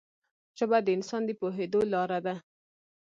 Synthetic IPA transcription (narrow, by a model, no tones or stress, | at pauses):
t͡ʃabad̪əɪnsɑnd̪əpoɦed̪olɑɾad̪a